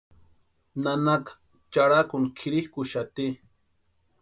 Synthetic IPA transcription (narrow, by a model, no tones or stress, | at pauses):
nanakḁ | t͡ʃaɽakʊŋkʰɪɾihkʊʃat̪i